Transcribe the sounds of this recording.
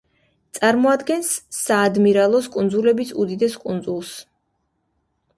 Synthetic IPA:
t̪sʼaɾmɔad̪ɡɛnsːaːd̪miɾalˠɔskʼund̪zulɛbisṵd̪id̪ɛskʼund̪zulˠs

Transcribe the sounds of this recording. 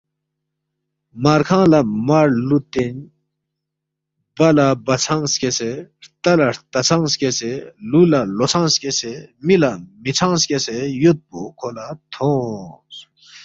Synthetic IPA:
maɾkʰãːlamaɾlut̪en | bɐlabɐt͡sʰãŋskeseɾt̪ɐlaɾt̪ɐt͡sʰãŋskeselulalot͡sʰãskesemilamit͡sʰãŋskesejot̪̚bukʰolat̪ʰõs

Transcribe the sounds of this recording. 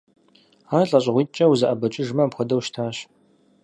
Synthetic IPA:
aːɬʼɐɕʼʁʷiːt̚t͡ʃʼɐwuzɐʔɐbɐt͡ʃʼɪʒmɐpxʷɔdɐwʃtʰaːɕ

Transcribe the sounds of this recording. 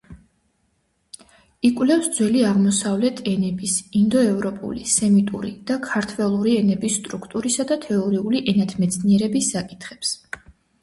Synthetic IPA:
ikʼwlɛfsd̪zwɛliaʁmɔsavlɛt̪ʰɛnɛbisind̪ɔɛvɾɔpʼṵlisɛmit̪ʼṵɾid̪̥akʰaɾt̪ʰwɛlˠuɾiɛnɛbisːt̪ʼɾukʰt̪ʼuɾisad̪at̪ʰɛɔɾiuliʔɛnat̪ʰmɛt̪sʰniɛɾɛbisːakʼi̥t̪ʰχɛps

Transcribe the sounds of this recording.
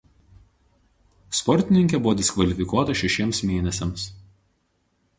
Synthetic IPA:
spɔɾʲt̪ʲɪnʲɪŋʲkʲɛbʊʋɔːd̪ʲɪskʋɐlʲɪfʲɪkuɔt̪ɐʃʲɛʃʲiɛmsmʲeːnʲɛsʲɛms

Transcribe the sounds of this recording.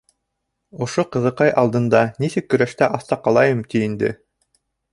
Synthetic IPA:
ŏʃoqɤ̆ðɤ̆qɑjʔɑlˠd̪ɤ̆nd̪ɑnisɘkːɵ̆ɾæʃt̪æʔɑθt̪ɑqɑlˠɑjɤmt̪iind̪ɘ̰

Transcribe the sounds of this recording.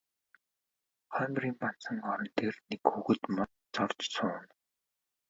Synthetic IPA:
χœːmriːmpan̥t͡sə̆ŋɔɾɞ̆nt̪ʰeːrnekxuɣɘ̆t̪man | t͡sɔrt͡ɕsʰʊːn

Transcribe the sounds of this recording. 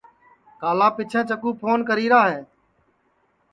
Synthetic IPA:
kaːlaːpɪt͡ʃʰɛ̃ːt͡ʃəkuːpʰoːnkəɾiːɾaːɦeː

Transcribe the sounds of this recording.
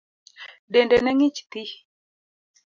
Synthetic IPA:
dɛndɛnɛŋit͡ʃt̪i

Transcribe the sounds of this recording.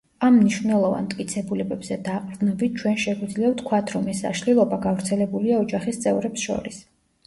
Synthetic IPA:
amːniʃvnɛlˠɔva̰nt̪ʼkʼit̪sʰɛbulɛbɛbz̥ɛd̪aqʼɾd̪nɔbit̪̚ʰt͡ʃʰwɛnʃɛɡwid̪zliɛft̪ʰkʰwat̪ʰɾɔmɛsa̰ʃlilˠɔbaɡavɾt̪sʰɛlɛbuliaɔd͡ʒaχist̪sʼɛvɾɛpsʃɔ̰ɾis

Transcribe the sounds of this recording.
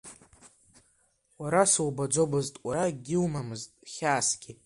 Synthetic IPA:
waɾaswbad͡ʒʷobɨztʼwaɾaɡʲɪlmamɨztʼχʲaːsɡʲi

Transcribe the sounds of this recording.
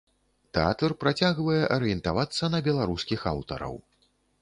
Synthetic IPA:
t̪ɛa̰t̪ɐrpɾat͡sʲaɣvɐjɛʔɐɾɨjɛnt̪avat̪sːɐnɐbʲɛlˠaɾuskʲixa̰wt̪ɐ̰ɾɐ̰w

